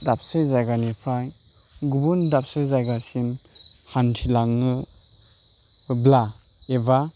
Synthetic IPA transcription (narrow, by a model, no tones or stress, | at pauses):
dap̚sɯjzajɡanipʰɾaj | ɡubundap̚sajzajɡasinhantʰilaŋɯ | bla | eba